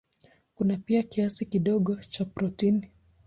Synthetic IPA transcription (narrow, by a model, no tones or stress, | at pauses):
kunapiakiasikiɗɔɠɔt͡ʃapɾɔtini